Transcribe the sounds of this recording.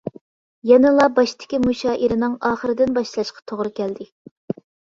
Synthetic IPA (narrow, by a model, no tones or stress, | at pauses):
jɛnɨlˠɑbɑʃt̪ʰɪ̥kʲimuʃɑːʔiɾɪnɪŋɑːχəɾɨd̪ɪnbɑʃlˠɑʃqʰɑ̥t̪ʰoʁɾɨkʲʰɛld̪ɪ